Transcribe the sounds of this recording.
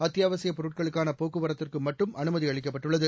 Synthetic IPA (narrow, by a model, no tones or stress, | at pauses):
ɐt̪ːjaːʋɐsɪjɐpɔɾɯʈ̚kɐɭɯkːaːnɐpoːkːɯʋɐɾɐt̪ːɪrkɯmɐʈːɯmʔɐnɯmɐðiɐɭɪk̬ːɐpːɐʈːɯɭːɐðɯ